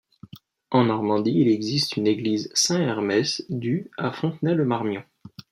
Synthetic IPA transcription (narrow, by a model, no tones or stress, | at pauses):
ɑ̃nɔʁmɑ̃d̪iːlɛɡzist̪ʰyneɡlizsɛ̃ɛʁmɛsd̪yafɔ̃t̪nɛləmaʁmjɔ̃